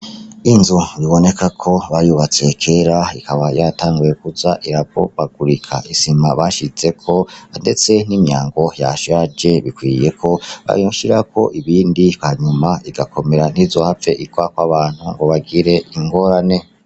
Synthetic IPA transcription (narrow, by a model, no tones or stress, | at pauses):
inzuβiβo̞ne̞kʰakʰo̞βajuβat͡se̞kʰe̞ɾaikʰaβajataːŋɡuje̞kuzaʔiɾaβo̞̰βaɡ̥uɾikʰa̰isimaβaʃize̞kʰo̞ande̞t͡se̞n̥imjaːŋɡo̞ja̰ʃad͡ʒe̞βikwije̞kʰo̞βa̰joʃiɾakʰo̞̰ʔiβiːndihaɲumaiɡakʰo̞me̞ɾan̥iːzo̞hafe̞ʔiɡwakwaβaːn̥huŋɡo̞βaɡiɾe̞iŋɡo̞ːɾane̞